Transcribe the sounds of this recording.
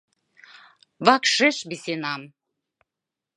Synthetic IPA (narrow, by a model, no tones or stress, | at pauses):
βɑkʃeʃbisenɑm